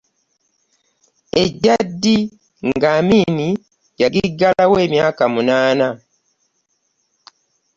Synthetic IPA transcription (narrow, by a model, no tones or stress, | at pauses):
e̞ɟːadːi | ŋɡaːmiːni | jaɡiɡːalawe̞ːmjaːkamunaːna